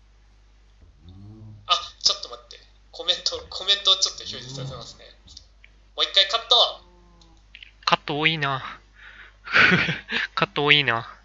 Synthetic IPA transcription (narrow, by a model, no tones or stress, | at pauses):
at͡ɕot̪ːomat̪ːe | kʰo̞mẽ̞nt̪okʰo̞mẽnt̪ot͡ɕot̪ːoçʲoːd͡ʑisaɾesemasɨne̞̰ | moːikːaikat̪ːo | kat̪ːoːiːna | kat̪ːoːiːna